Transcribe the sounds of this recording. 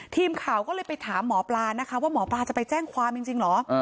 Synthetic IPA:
t̪ʰiː˧mkʰaː˨˩wkɔː˥˩lɤː˧jpa˧jt̪ʰaː˩˦mːɔː˩˦plaː˧na˦˥kʰa˦˥waː˥˩mɔː˩˦plaː˧t͡ɕa˨˩pa˧jt͡ɕɛː˥˩ŋkʰwaː˧mt͡ɕi˧ŋt͡ɕi˧ŋlɔː˩˦˧

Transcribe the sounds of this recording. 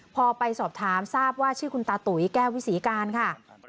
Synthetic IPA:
pʰɔː˧pa˧jsɔː˨˩p̚t̪ʰaː˩˦msaː˥˩p̚waː˥˩t͡ɕʰɯː˥˩ku˧nt̪aː˧t̪u˩˦jkɛː˥˩wi˦˥siː˩˦kaː˧nkʰa˥˩

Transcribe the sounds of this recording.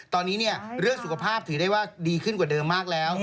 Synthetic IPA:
t̪ɔː˧nːiː˦˥ni˥˩ɐɾɯ˥˩əŋsu˨˩kʰa˧pʰaː˥˩p̚t̪ʰɯː˩˦daː˥˩jwaː˥˩diː˧kʰɯ˥˩nkwaː˨˩dɤː˧mːaː˥˩k̚lɛː˦˥w

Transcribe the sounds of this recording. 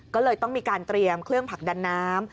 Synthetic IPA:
kɔː˥˩lɤː˧jt̪ɔ˥˩ŋmiː˧kaː˧nt̪ɾi˧əmkʰlɯ˥˩əŋpʰa˨˩k̚daː˧nːaː˦˥m

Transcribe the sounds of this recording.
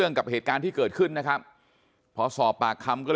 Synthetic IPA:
əŋka˨˩p̚heː˨˩t̪̚kaː˧nt̪ʰiː˥˩kɤː˨˩t̪̚kʰɯ˥˩nːa˦˥kʰa˦˥p̚ | pʰɔ˧˥sɔː˨˩pːaː˨˩kʰːa˧mkɔː˥˩ɤ

